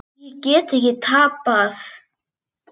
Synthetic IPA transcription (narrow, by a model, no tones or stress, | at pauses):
ikʲʼetʰɡʲitʰapʼːaθ